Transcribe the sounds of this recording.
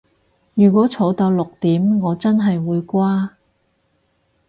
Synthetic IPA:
jyː˨˩kʷɔː˨˥t͡sʰo˨˧˥wt̪ɐ˧wlʊ˨k̚t̪iː˨˥mŋɔː˨˧t͡sɐ˥nɦɐ˨jwuː˨˧jkʷaː˥

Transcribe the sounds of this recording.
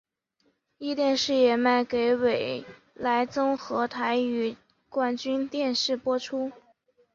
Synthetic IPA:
i˥˧t̪jɛ˥˧nʂɻ̩˥˩jɛ˨˩ma˥˩ɪke˧˥ɪwe˨˩ɪ | la˧˥ɪt͡sʊ˥ŋxɤ˧˥t̪ʰa˧˥ɪy˨˩ | kwa˥˩nt͡ɕy˥nt̪jɛ˥˧nʂɻ̩˥˩pwɔ˥ʈ͡ʂʰu˥

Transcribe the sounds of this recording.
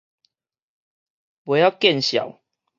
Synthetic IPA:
bwe˨˦ja˥˧kjɛ˥˨nɕja̰˨˩˦w

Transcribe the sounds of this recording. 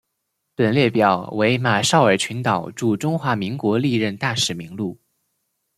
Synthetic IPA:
pə˨˩nljɛ˥˩pjɑ˨˩˦ʊwe˧˥ɪma˨˩ʂɑ˥˩ʊə˞˨˩t͡ɕʰy˧˥nt̪ɑ˨˩ʊʈ͡ʂu˥˩ʈ͡ʂʊ˥ŋxwa˧˥mi˧˥ŋkwɔ˧˥li˥˧ɻə˥˧nt̪a˥˩ʂɻ̩˨˩mi˧˥ŋlu˥˩

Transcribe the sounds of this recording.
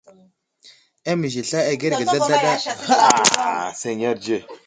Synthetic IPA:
a˦mi˨ʒi˨ɬa˦a˨ɡe˦ɾɡa˨ɮa˦ɮa˦ɗa˦˨ | se˨ɲ˦a˦ɾd͡ʒe˦˨

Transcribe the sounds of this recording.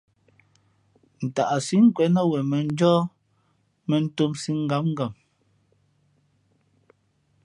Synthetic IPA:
n̩˨ta˨ʔa˨si˦ŋ̩˦kwɛ˨˦na˦wɛ˨mɛ˨n̩˦d͡ʒɔː˦ | mɛ˨n̩˦to˦msi˦ŋ̩˦ɡa˨˦mŋ˦ɡa˨m

